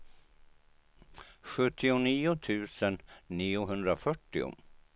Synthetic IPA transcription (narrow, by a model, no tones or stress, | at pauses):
ɧɵt̪ʰːɪʊniːʊt̪ʰʉ̟ːsənːiːʊɦɵnd̪ɾafœʈːɪ̰ʊ̰